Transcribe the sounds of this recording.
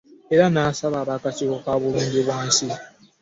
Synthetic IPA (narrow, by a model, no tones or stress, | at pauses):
eɾanaːsaβaːβaːkatiβokaβuluːndeβwaːnsi